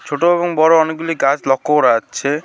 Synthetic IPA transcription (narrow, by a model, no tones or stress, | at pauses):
t͡ʃʰoʈoebɔŋbɔɾoɔnek̚ɡuliɡat͡ʃlɔkːoɾat͡ʃʰe